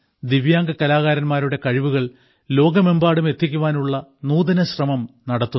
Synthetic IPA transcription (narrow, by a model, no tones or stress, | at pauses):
d̪iʋjaːŋɡɐkːɐlaːɣaːɾɐnmaːɾuɽe̞kɐɻiʋuɣɐɭ | lo̞ːɡɐme̞mbaːɽumet̪ːikʲːuʋaːnuɭːɐnuːðɐnɐɕrɐmɐmnɐɽɐt̪ːu